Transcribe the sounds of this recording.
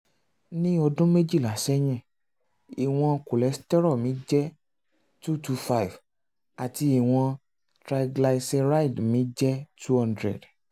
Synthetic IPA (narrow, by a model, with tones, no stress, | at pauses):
nĩ˦ɔ˧dũ˦me˦d͡ʒi˦˨la˨ʃɛ˦j̃ɛ̃˦˨ | i˨w̃ɔ̃˧ko˨lɛ˨˦stɛ˦ɾɔ˦˨mĩ˨˦d͡ʒɛ˦ | tu˦tu˧fa˦i˨v | a˨ti˧i˨w̃ɔ̃˧ | tɾa˧iɡla˧i˧sɛ̃˧ɾa˦i˨dmĩ˨˦d͡ʒɛ˦tu˦hɔ̃˧ndɾɛ̰˨d